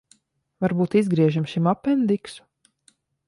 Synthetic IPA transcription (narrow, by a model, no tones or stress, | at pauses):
vaɾbuːt̪izɡɾiɛʒimʃimapɛnd̪iksu̥